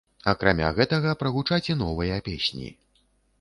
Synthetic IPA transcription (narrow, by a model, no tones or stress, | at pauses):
ɐkɾamʲa̰ɣɛt̪ɐɣɐpɾɐɣut͡ʂat͡sʲɛn̪ɔvɨjɐpʲḛsʲnʲḭ